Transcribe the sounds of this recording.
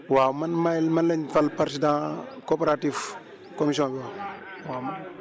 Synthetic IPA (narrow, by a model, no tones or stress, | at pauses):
wamanmajlmanleɲfalpaɾsidãkopeɾatif | komis̬iõbiwawam